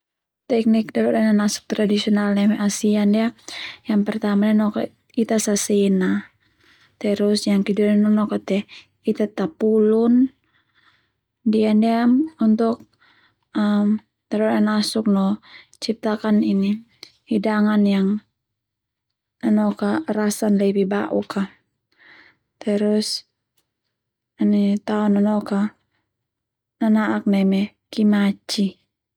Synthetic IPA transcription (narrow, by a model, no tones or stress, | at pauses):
t̪ɛk̚nik̚d̪aɾɔɾananasu̥k̚t̪ɾadisiɔnalnamɛʔasiandiajaŋpɛrt̪amadianɔka̰ | it̪asasɛna | t̪ɛɾusjaŋkiduɾanɔnɔkat̪ɛ | it̪at̪apulun | diandiaunt̪uk̚ | əm | t̪aɾɔɾanasuk̚nɔ | t͡ʃip̚t̪akanini | hidaŋanjaŋ | anɔkaɾasanlɛbibaʔuka | t̪ɛɾus | anit̪aɔnanɔka | nanaʔak̚namɛ | kimat͡ʃi